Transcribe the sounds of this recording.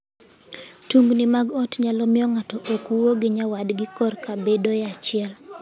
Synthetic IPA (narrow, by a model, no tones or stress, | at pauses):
tuŋɡnimaɡɔtɲalɔmɪɔŋatɔʔokuwoɡɪɲawadɡɪkɔrkabedojat͡ʃɪɛl